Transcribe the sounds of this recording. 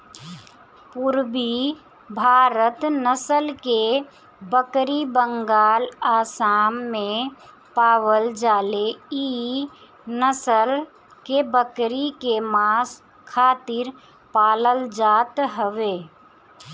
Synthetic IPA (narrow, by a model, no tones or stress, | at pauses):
pʊɾbi | bʱaːɾət̪nəsəlke | bəkɾibə̃ŋɡaːlaːsaːmːẽ | paːwəld͡ʒaːlei | nəsəl | kebəkɾikemaːs | kʰːaːt̪ɪɾ | paːləld͡ʒaːt̪ɦəʋeː